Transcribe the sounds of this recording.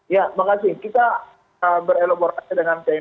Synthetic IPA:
jamakasɪkit̪a | əbəɾelaboɾasidəŋant̪ɛ

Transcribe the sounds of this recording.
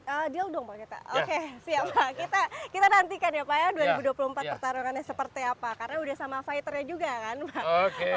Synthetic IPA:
əːdialdɔŋbakit̪a̰ʔokesiapakit̪akit̪anant̪ikanjapajaduaɾibuduapuluhəmpat̪̚pərt̪aɾuŋanɲasəpərt̪iapakaɾənaudahsamafajt̪ərɲad͡ʒuɡakanbaoke

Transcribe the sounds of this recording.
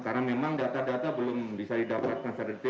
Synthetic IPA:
kaɾnamemaŋdat̪adat̪abəlʊmbisadidapat̪̚kansərət̪i

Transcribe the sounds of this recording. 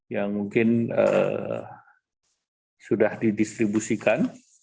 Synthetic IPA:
jaŋmuŋkɪnə̰ | sudahdidist̪ɾibusikan

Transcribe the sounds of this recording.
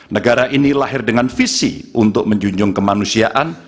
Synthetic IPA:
nəɡaɾaʔinilaɦɪrdəŋanfisḭʔunt̪ʊk̚məɲd͡ʒuɲd͡ʒʊŋkəmanusiaʔan

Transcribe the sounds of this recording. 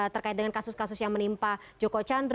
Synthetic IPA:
t̪ərkaɪt̪̚dəŋankasʊskasʊsjaŋmənimpad͡ʒokot͡ʃanr

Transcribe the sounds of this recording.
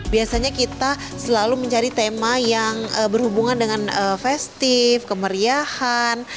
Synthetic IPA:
biasaɲakit̪a | səlaluməɲt͡ʃaɾit̪emajaŋəbərhubuŋandəŋanəfɛst̪ɪfkəməɾiahan

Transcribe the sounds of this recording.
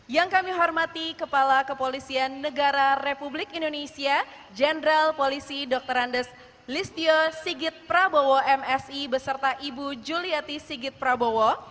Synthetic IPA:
jaŋkamiɦɔrmat̪ikəpalakəpolisianːəɡaɾarepublɪkindonesia | d͡ʒɛnɾalpolisidɔk̚t̪əɾandəs | list̪iosiɡɪt̪̚pɾabowɔʔɛmɛsibəsərt̪aʔibud͡ʒuliat̪isiɡɪt̪̚pɾabowɔ

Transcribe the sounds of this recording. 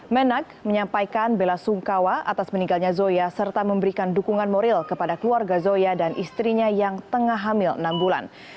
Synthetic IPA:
mənak̚məɲampajkanbelasuŋkawaʔat̪asmənĩŋɡalɲazojasərt̪aməmbəɾikandukuŋanmoɾɪlkəpadakəluarɡazojadanʔist̪ɾiɲajaŋt̪əŋaɦamɪlə̰nambula̰n

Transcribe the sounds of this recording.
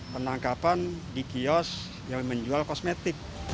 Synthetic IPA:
pənaŋkapandikiɔs | jaŋməɲd͡ʒualkɔsmet̪ɪk̚

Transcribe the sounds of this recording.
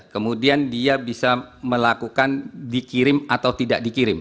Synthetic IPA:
kəmudiandiabisaməlakukandikiɾɪmat̪awt̪idaʔ̚dikiɾɪm

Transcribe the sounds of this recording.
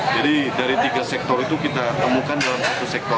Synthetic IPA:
d͡ʒadidaɾit̪iɡasɛk̚t̪ɔrit̪ukit̪at̪əmukandalamsat̪usɛk̚t̪ɔr

